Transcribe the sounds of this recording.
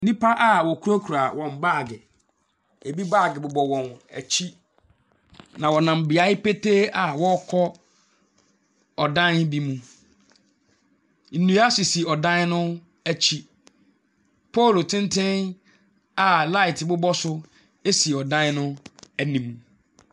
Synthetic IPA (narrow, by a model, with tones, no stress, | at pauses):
nĩ˦pa˦ʔa˦wɔ˨kʰu˦o˦kʰu˨ɾa˨wɔ̃˨mbaː˦˨ɡɪ˨ | e˨bi˦baː˦˨ɡɪ˨bʊ˨bɔ˨wɔ̃˨næ̰˨t͡ɕʰi˦ | nã˨wɔ˨nã˨m˨bɪ˨a˦ɪ˦pe˦tʰe˦a˨wɔ˦kʰɔ˦ | ɔ˨dã˦nbi˦mũ˦ | n̩˨nũ˨a˦sɪ˨si˨ɔ˨dã˦n˦nʊ̃˦ | æ˦t͡ɕʰi˦ | pʰɔ˦˨lo˨tʰɪ̃˦n˦tʰɪ̃˦n | a˨la˦ɪ˨tʰɪ˨bʊ˦bɔ˦sʊ˦ | e˦si˨ɔ˨dã˦n˦nʊ̃˦æ˦nĩ˨mũ˨